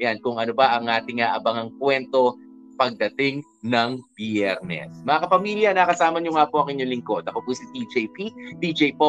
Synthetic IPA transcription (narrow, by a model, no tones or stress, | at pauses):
jankʊŋʔɐnobɐʔɐŋʔaːt̪ɪŋːɐʔɐbɐŋɐŋkwɛnt̪o̞ | pɐɡ̚d̪ɐt̪ɪŋ | nɐŋbjɛɾnɛ̰smɐŋakɐpɐmiljɐnakɐsaːmɐɲoŋapoʔɐŋʔɪɲolɪŋko̞d̪ɐkopusit̪id͡ʒejpit̪id͡ʒejpo